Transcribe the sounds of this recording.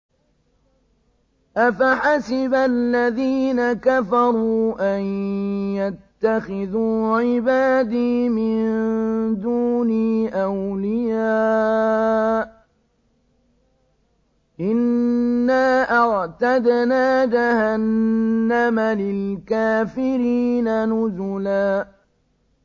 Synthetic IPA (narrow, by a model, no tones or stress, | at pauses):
ʔafaħasɪbalːaðiːnakafɑɾˤuːʔanjat̪ːaxɪðuːʕɪbaːd̪iːmɪnnd̪uːniːʔawlɪjaː | ʔɪnːaːʔɑʕt̪ad̪naːd͡ʒahanːamalɪlkaːfɪɾiːnanʊzʊlaː